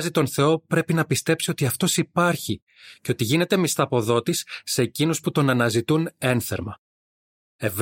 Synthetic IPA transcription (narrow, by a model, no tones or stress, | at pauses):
zit̪o̞nθe̞o̞pɾe̞pinɐpist̪e̞psio̞t̪iɐft̪o̞sipɐɾçi | ce̞o̞t̪iʝine̞t̪e̞mist̪ɐpo̞ðo̞t̪isːeːcinusput̪o̞nɐnɐzit̪une̞nθe̞̰ɾmɐ | e̞v